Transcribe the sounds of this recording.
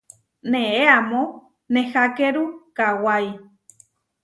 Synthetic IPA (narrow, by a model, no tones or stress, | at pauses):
nẽeamõ | nẽxakeɾukawaj